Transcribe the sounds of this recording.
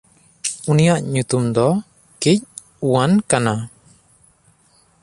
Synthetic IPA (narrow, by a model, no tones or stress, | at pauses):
unijaʔɲut̪umd̪ɔ | kic̚ | uwankana